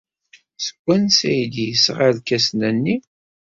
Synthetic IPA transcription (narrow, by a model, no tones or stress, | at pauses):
sə̥ɡʷːænsæjid̪jəsʁaðkæsnænːi